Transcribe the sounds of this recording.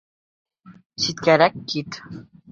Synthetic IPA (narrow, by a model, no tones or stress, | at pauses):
sit̪̚kæɾækːit̪